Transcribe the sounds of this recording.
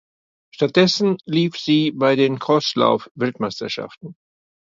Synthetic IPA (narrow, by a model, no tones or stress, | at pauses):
ʃtat̚d̥ɛsn̩liːfz̥iːbaɪdeːnkʰɔsla̰ʊfvɛltmaɪstɐʃa̰ftn̩